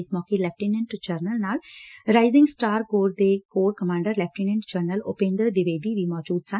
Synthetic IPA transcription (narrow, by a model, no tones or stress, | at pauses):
ismɔːkĩlɛp̚ʈinɪ̃ɳʈd͡ʒɐɾnəlnaːlɾaɪzɪ̃ŋɡsʈaːɾkoːɾd̪eːkoːɾkɐmãːɳɖəɾlɛf̚ʈinɪ̃ɳʈd͡ʒɐɾnəloːpẽːnd̪əd̪iʋeːd̪iʋiːmɔːd͡ʒuːd̪sã